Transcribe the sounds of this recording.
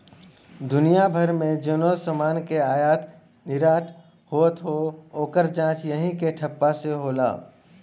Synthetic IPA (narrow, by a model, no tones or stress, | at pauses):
d̪ʊnijabʱəɾmẽd͡ʒonosəmaːnkeaːjaːt̪ | nɪɾaːʈʰ | hoət̪ɦooːkəɾd͡ʒãːt͡ʃjəɦĩkeʈʰəpːaseɦoːla̰ː